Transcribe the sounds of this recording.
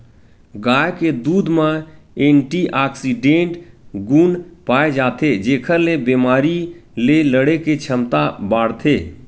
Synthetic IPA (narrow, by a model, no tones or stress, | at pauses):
ɡajked̪ud̪mãeɳʈiʔaksiɖẽʈɡunpaed͡ʒat̪ʰed͡ʒekʰəɾlebemaɾileləɽeket͡ʃʰəmt̪abaɽt̪ʰe